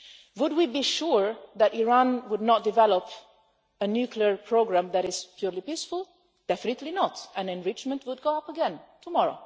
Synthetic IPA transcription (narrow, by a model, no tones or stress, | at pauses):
wʊd̚wibiʃuɹðæɾiɹãnwʊdⁿnɔt̚dɨvɛləp | ɨnjʉkʰliəɹpʰɹoʊɡɹæ̃mðæɾɪz̥pʰj̥uɹlipisfʊl̩ˠ | d̥ɛfɪnɨtˡlinətæ̃nɨ̃nɹɪt͡ʃmə̃ntwʊd̚ɡoʊʌpəɡɛ̃ntʰumɔɹoʊ